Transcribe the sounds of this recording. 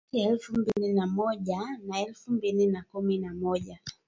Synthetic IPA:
iaɛlfumbilinamɔʄanaɛlfumbilinakuminamɔʄa

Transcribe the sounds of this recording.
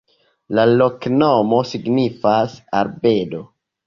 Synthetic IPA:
lalo̞knomo̞siɡnifasaɾbe̞do̞

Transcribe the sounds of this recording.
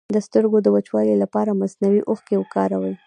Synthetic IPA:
d̪əst̪əɾɡod̪əwat͡ʃwɑlelapɑɾamaznawiʔʊxkewəkɑɾawəl

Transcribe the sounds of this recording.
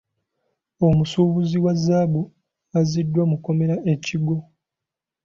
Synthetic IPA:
o̞musuːβuziwazːaːbu | azidːwamuko̞me̞ɾaʔe̞ciɡo

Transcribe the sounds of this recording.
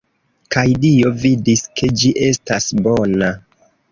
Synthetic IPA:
kajdio̞vidiskʰe̞d͡ʒiʔe̞stasbona

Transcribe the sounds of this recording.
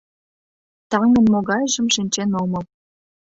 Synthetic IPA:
t̪ɑŋə̆nmoɣɑjʒə̆mʃinʲt͡ɕenomɤl

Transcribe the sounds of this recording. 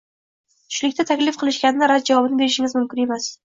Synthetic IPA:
t̪ʰʊ̥ʃlɪkʲt̪at̪ʰakʲlɪfqʰɨlˠɪʃkʲanɪɪɾad͡ʒavɒbɪnɪbe̞ɾɪʃɪŋʲɪzmʊmkʲɪne̞mas

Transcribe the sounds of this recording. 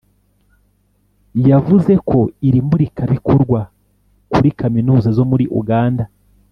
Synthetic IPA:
javuze̞kʰo̞iɾimbuɾikaβiko̞ɾɡwa | kuɾikaminuːzazo̞muɾiʔṵɡaːnda

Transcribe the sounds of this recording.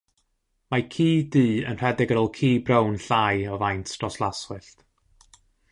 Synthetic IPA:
makʰiːdiːə̰nr̥ɛdɪɡəɾɔlˠkʰiːbrownɬajɔvajntʰstrɔslˠaswɨɬt

